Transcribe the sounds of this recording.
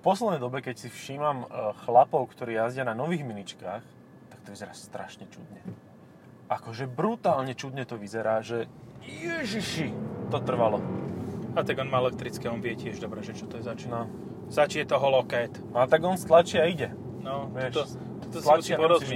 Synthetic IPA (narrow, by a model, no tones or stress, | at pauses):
fpɔslɛd̪nɛjd̪ɔbɛkɛcsifʃiːmamxlapɔʊkt̪ɔɾiːjazɟɪananɔʋiːɣminit͡ʃkaːx | t̪ak̚t̪ɔʋizɛɾaːst̪ɾʔa̰ʃɲɛt͡ʃṵd̪ɲɛ | ʔakɔʒɛbɾut̪aːlɲɛt͡ʃud̪ɲɛt̪ɔʋizɛɾaːʒɛjɛʒiʃit̪ɔt̪r̩ʋalɔ | at̪aɡɔnmaːɛlɛk̚t̪ɾit͡skiɔnʋɪɛcɪɛʒd̪ɔbɾɛʒɛt͡ʃɔt̪ɔjɛzat͡ʃnɔ | zat͡ʃijɛt̪ɔɦɔlɔkɛːt̪nat̪aɡɔnst̪lat͡ʃiaiɟɛ | nɔʋɪɛʃɔ | t̪ɔt̪ɔslasapɔɾɔzi